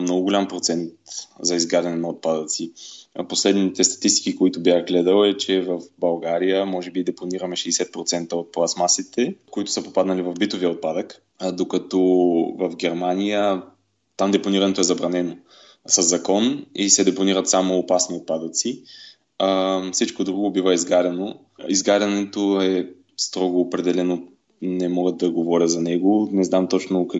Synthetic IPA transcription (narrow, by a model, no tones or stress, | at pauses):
mnɔɡʊɡolʲampɾot̪sɛnt̪zɐizɡad̪ɐnɛnɐot̪̚pad̪ət̪siposlɛd̪nit̪ɛst̪ɐ̥t̪ist̪i̥kikoit̪ʊbjaxɡlɛd̪əlɛt͡ʃɛvəfbɐlˠɡaɾijəmɔʒɛbid̪ɛponiɾəmɛʃɛsɛt̪̚pɾot̪sɛnt̪əot̪̚plˠasmasit̪ɛkoit̪ʊ̥səpopad̪nɐlivɐvbit̪oviəot̪̚pad̪ək | d̪okɐt̪ɔvɐfɡʲɛɾmanijə | t̪amd̪ɛponiɾɐnɛt̪oɛzɐbɾɐnɛno | sɐzːɐkɔnisɛd̪ɛponiɾət̪samoːpasniot̪̚pad̪ət̪si | fsit͡ʃkod̪ɾuɡobivəizɡaɾʲɐno | izɡaɾʲɐnɛt̪oɛ | st̪ɾɔɡoːpɾɛd̪ɛlɛno | nɛmɔɡət̪̚ːɐɡovɔɾʲət̪zɐnɛɡonɛznamt̪ɔt͡ʃnok